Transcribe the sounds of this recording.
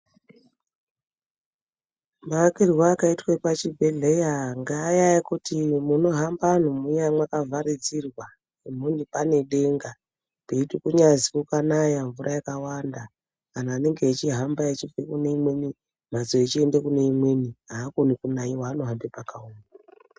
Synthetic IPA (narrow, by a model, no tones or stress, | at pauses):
makirwaːkaitwepat͡ʃibʱeɮejaŋɡaːjajakutimuno̞ɦamban̤umujamwakavʱaɾid͡zirwa | im̤unipaneɗeŋɡa | peitikuɲazikukanajaɱvurʔajakawanda | kanaːne̞ŋɡeːt͡ʃiɦambaet͡ʃivekune̞imwe̞ni | mazo̞et͡ʃie̞ndekune̞imwe̞niɦaːkonikunaiwaːnoɦambepakauːma